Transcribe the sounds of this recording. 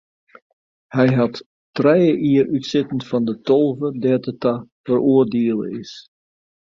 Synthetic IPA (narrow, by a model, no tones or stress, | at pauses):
hɛjɦɑt | trɛjəʔiərytsɪtən̩tfɑndətɔlˠvədɛtətafərʔoərdeəlˠə̰ɪs